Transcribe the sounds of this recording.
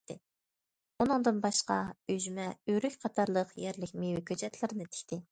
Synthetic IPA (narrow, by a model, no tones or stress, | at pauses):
t̪ɪ | unɨŋd̪ɨnbɑʃqɑ̰yzmɛyɾykʲqʰɑt̪ʰɑɾlˠəqjɛɾlɪkʲmewɪkʲʰøt͡ʃɛt̪ʰlˠɪɾɪnɨt̪ʰɪ̥kʲt̪ʰɪ